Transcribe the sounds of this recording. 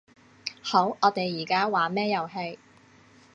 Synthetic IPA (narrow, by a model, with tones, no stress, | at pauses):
ho˨˥wʔɔː˨˧t̪e˨jːiː˨˩kaː˥waː˨˥mɛː˥jɐ˨˩wɦe˧j